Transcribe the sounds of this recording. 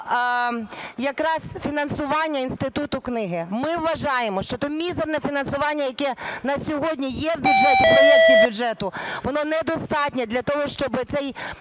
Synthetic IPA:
jɐkɾɑzfʲinɐnsʊʋɑnʲːɐinst̪ɪt̪ut̪ʊknɪɦɪmɪʋːɐʒɑjemɔʃt͡ʃɔt̪ɔmʲizernɛfʲinɐnsʊʋɑnʲːɐjɐkɛnɐsʲɔɦɔdʲnʲijɛwbʲʊdʒɛt̪ɪɔnit͡ʃɪbʲjʊʒɛt̪ʊʋɔnɔnɛd̪ɔst̪ɑtʲnʲɛd̪lʲɐt̪ɔɦɔʃt͡ʃɔbɪt̪sɛj

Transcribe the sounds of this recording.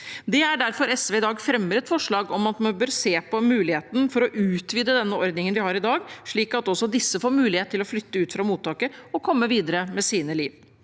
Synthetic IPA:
d̪ɛæɖæɾfɔɾɛsʋɛːɪd̪ɑːɡfɾɛmːəɾɛt̪fɔʂɭɑːɡɔmɑt̪mɛnbøːɾseːpɔmʉːlɪheːt̪nfɔɾɔʔʉːt̪ʋiːd̪əd̪ɛnːəɔɾd̪nɪŋənʋɪhɑɾɪd̪ɑːɡʂɭiːkɑt̪ɔsːɔd̪ɪsːəfoːɾmʉːlɪeːt̪ʰːɪlɔflʏt̪ːəʉːt̪fɾɑmuːt̪ʰːɑːkəɔkʰɔmːəʋiːd̪əɾəmɛsiːnəliːʋ

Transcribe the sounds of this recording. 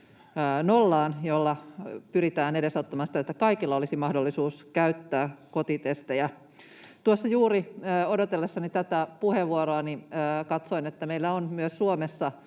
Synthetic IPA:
nolːɑːnjolːɑpyɾit̪æːnedesot̪ːɑmɑnsi̥t̪æet̪ːækɑikilːɑolisimɑhdolːisuːskæyt̪ːæːkot̪it̪est̪ejæ | t̪uosːɑjuːriːodot̪elːesːɑnit̪æt̪æpuheʋːuoɾoɑniːkɑt̪soinet̪ːæmeilːæonmyøssuomesːɑ

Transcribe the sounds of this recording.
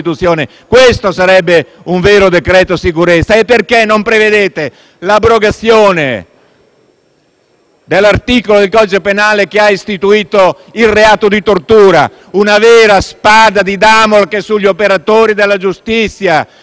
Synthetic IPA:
it̪ut̪sːjoːne | kwest̪osaɾɛbːe | uɱvɛːɾod̪ekɾɛːt̪osikuɾet̪sːaepːerkenːompɾeved̪eːt̪e | labːɾoɡat̪sːjoːnḛ | d̪elart̪iːkolod̪elkɔd̪it͡ʃepenaːlek̟eaist̪it̪uiːt̪o | ilreaːt̪od̪it̪ort̪uːɾa̰ | unavɛːɾaspad̪ad̪id̪amolkesːuʎːopeɾat̪oːɾid̪elːad͡ʒust̪it̪sːja

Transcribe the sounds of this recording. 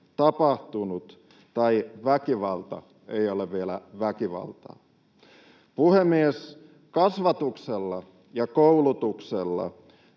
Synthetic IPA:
t̪ɑpɑht̪unut̪ | t̪ɑiʋækiʋɑlt̪ɑ̰ | eioleʋʋielæ̰ʋækiʋɑ̰lt̪ɑ̰ː | puhemːies | kɑsʋɑt̪ukselːɑ | jɑkoulut̪ukselːɑ̰

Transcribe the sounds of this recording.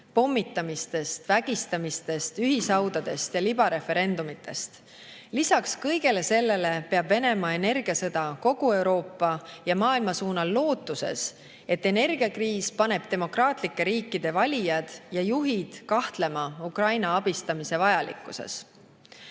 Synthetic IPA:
po̞mːit̪ːˑɑmist̪e̞st̪væɡ̥ist̪ɑmist̪e̞st̪yɦisɑwd̪̥ɑd̪̥e̞st̪jɑlib̥ɑɾe̞fe̞ɾe̞nd̪̥umit̪ːˑe̞st̪ | lisɑkskɤ̞jɡ̥e̞le̞se̞lːe̞le̞pe̞ɑb̥ve̞ne̞mɑe̞ne̞rɡ̥iɑsɤd̪̥ɑko̞ɡ̥ue̞wɾo̞ːpˑːɑjɑmɑːilmɑsuːnɑlːo̞ːt̪ːˑuse̞̰s | e̞t̪ːe̞ne̞rɡ̥iɑkriːspɑne̞b̥̚t̪e̞mo̞krɑːt̪ˑlikːe̞ɾiːkːˑid̪̥e̞vɑlʲijɑd̪̥jɑjuɦid̪̥kɑht̪le̞mɑukrɑjnɑɑb̥ist̪ɑmise̞vɑjɑlḭkːˑuse̞̰s

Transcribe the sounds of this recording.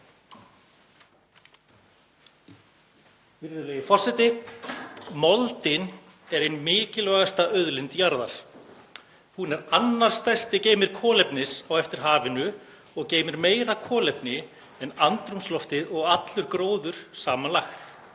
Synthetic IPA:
vɪɾðʏlejɪfɔr̥sɛt̪ɪ | mɔlt̪ɪn | ɛɾejnmɪːcɪlvaɣast̪aœðlɪnt̪jaɾðaɾ̥ | hunɛɾanːar̥st̪ajst̪ɪceːjmɪɾ̥kʰɔːlɛpnɪsawɛft̪ɪɾ̥ɦaːvɪnʏ | ɔɣceːjmɪɾmeːjɾakʰɔːlɛpnɪ | ɛnant̪ɾumslɔft̪ɪðɔɣat̪lʏɾ̥kɾoːwðʏɾ̥saːmanlaxt̪

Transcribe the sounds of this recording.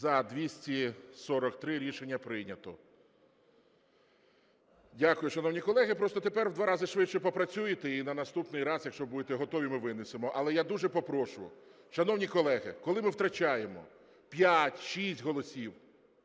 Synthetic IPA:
zɐd̪ʋʲisʲtʲisɔɾɔkt̪ɾɪɾʲiʃenʲːɐpɾɪnʲɐt̪ɔ | dʲakʊjʊʃɐnɔwnʲikɔlˠɛɦɪpɾɔst̪ɔt̪epɛɾwd̪ʋɑɾɑzɪʃʋɪt͡ʃt͡ʃːɛpɔpɾɐt͡sʲujɪt̪einɐnɐst̪upnɪjɾɑzjɐkʃt͡ʃɔbud̪et̪ɛɦɔt̪ɔʋʲimɪʋɪnɪsemɔʔɐlˠɛjad̪uʒɛpɔpɾɔʃʊjʊ̰ | ʃɐnɔwnʲikɔlˠɛɦɪkɔlˠɪmɪwt̪ɾɐt͡ʃajemɔ̰ | pʲjatʲʃisʲtʲɦɔlˠɔsʲiw

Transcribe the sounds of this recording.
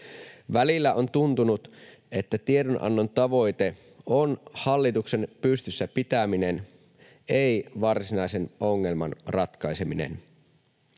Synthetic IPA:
ʋælilːæʔo̞nt̪unt̪unut̪e̞t̪ːæt̪iedonʔɑ̰nːont̪ɑʋo̞jt̪e̞ | o̞nhɑlːit̪ukse̞npyst̪ysːæpit̪æmine̞n | ejʋɑrsinɑijse̞no̞ŋːe̞lmɑ̰nrɑt̪kɑjse̞minḛn

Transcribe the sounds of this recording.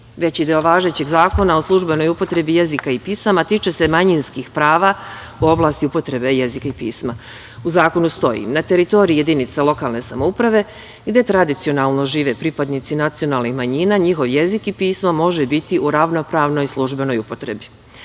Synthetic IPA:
ʋe̞t͡ɕid̪eoʋaːʒe̞t͡ɕeɡzaːko̞naoslˠuʒbe̞no̞jupo̞t̪ɾe̞bije̞zikaipiːsamat̪iːt͡ʃe̞se̞maɲinskixpɾaːʋauo̞blˠaːst̪iupo̞t̪ɾe̞be̞je̞zikaipiːsma | uzaːko̞nust̪o̞jḭnat̪e̞ɾit̪o̞ɾije̞d̪init̪salo̞kaːlˠne̞samoupɾaʋe̞ | ɡd̪e̞t̪ɾad̪it̪sijo̞naːlˠno̞ʒiːʋe̞pɾipad̪nit̪sinat̪sio̞naːlˠnixmaɲiːnaɲixo̞ʋje̞zikipiːsmamo̞ʒebit̪iʔuɾaʋno̞pɾaːʋno̞jslˠuʒbe̞no̞jupo̞t̪ɾe̞̰bi

